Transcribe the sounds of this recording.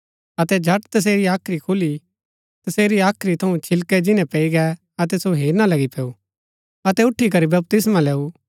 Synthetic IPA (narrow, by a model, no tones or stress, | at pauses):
ɐt̪ɛd͡ʒʱɐʈt̪ɐs̬eːɾiaːkʰɾikʰʊli | t̪ɐseːɾiaːkʰɾit̪ʰɐũt͡ʃʰɪlkɛd͡ʒɪnɛ̃pɛiɡɛ | ɐt̪̬ɛsoɦeːɾnalɐɡipɛːu | ɐt̪ɛʊʈʰːik̬ɐɾibɐb̚t̪ɪsmãlɛːu